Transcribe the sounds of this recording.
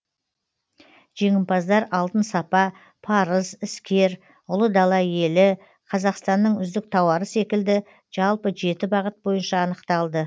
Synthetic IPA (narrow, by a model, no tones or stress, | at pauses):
ʒ̥e̞ŋʲɪmpɑzd̪ɑɾɑlˠt̪ənsɑpɑ | pʰɑɾəzɪskʲe̞ɾ | ʊlˠəd̪ɑlˠɑje̞lɪ | qʰɑzɑqst̪ɑnːəɴʏzd̪ɪk̚t̪ʰɑwɑɾəse̞kʲɪld̪ɪ | ʒ̥ɑlˠpəʒe̞t̪ɪbɑʁət̪̚bo̞jənʃɑːnəqt̪ɑlˠd̪ə